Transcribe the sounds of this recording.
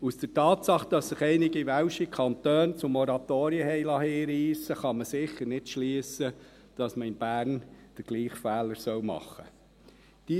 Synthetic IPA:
usd̥ətɑːtsɑχd̥ɑsːɪχɛɪnɪɡivæʊʃikʰɑnt̪øːnt͡sʊmɔɾɑt̪oːɾiəhɛɪlɑːɦiːɾiːsəχɑməsɪχːəɾnɪtʃliəsə | d̥ɑsməɪnb̥æːɾnd̥əɾɡ̥liːχfæːləɾsœwmɑ̰χə | d̥i

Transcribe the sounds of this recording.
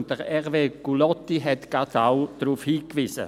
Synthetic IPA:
ntd̥əʁɛʁveːɡ̥ulɔtːiɦɛtɡ̥atawd̥ɾuːfhiːkʋisə̰

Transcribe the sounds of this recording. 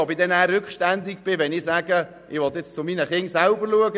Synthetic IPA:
ɔbɪd̪ɛnæːrːʏkχʃtænd̪ɪkb̥ɪʋɛnɪsæːɡ̥ə | ʔɪʋɔt̪ɪt͡st͡sʊminəχɪnsalbəɾluəɡə

